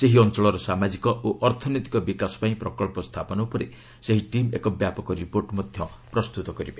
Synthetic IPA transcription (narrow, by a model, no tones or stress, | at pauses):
seɦiɔnt͡ʃɔɭɔɾɔsamad͡ʒikɔʔoʔɔɾt̪ʰɔnɔjt̪i̥kɔbikasɔ̥paĩpɾɔkɔɭpɔst̪ʰapɔnɔupɔɾe | seɦiʈimekɔbjapɔkɔɾipoɾʈmɔd̪ʱjɔ | pɾɔst̪ut̪ɔkɔɾibe